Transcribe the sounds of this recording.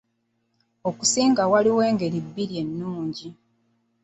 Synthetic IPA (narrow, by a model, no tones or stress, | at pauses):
o̞kusiːŋɡawaliwe̞ːŋɡe̞ɾibːiɾje̞nːuːɲɟi